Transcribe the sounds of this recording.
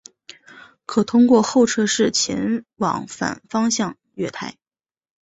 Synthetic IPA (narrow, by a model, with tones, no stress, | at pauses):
kʰɤ˨˩t̪ʰʊ˥ŋkwɔ˥˧xo˥˩ʊʈ͡ʂʰɤ˥ʂɻ̩˥˩t͡ɕʰjɛ̰˧˥nwɑ̰˨˩˥ŋfa̰˨˩nfɑ˥ŋɕjɑ˥˧ŋ | ɥɛ˥˧t̪ʰa˥˩ɪ